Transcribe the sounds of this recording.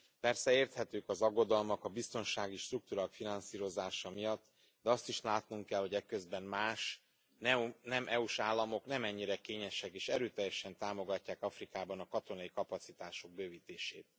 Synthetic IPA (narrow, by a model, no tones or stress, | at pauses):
pɛrsɛeːrt̪hɛt̪øːkɒzɒɡːo̞d̪ɒlmɒkɒbist̪o̞nʃaːɡiʃt̪ruk̚t̪uɾakfinɒnsiːɾo̞zaːʃɒmijɒt̪ː | d̪ɛɒst̪iʃlaːt̪nuŋkɛlho̞ɟɛkø̞zbɛmmaːʃ | nɛnɛmʔɛuʃaːlːɒmo̞knɛmɛɲːiɾɛkeːɲɛʃɛkeːʃɛɾøːt̪ɛjːɛʃɛnt̪aːmo̞ɡɒcːaːkɒfrikaːbɒnɒkɒt̪o̞nɒjikɒpɒt̪sit̪aːʃo̞ɡ̚bøːviːt̪eːʃeːt̪̚